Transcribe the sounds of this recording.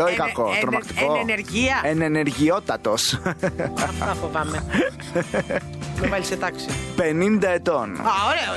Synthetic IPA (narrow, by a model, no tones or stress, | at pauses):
loikɐkot̪ɾomɐkt̪i̥koneɾʝiɐeneneɾʝiot̪ɐt̪os | ɐfɐfovɐme | memeliset̪ɐksipenind̪ɐe̞t̪onaoɾeo